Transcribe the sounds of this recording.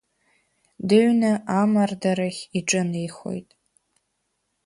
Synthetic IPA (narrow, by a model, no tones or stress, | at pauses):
dɨɥnaʔamardaɾaχʲiʈ͡ʂʼɨnejχo̞̰jtʼ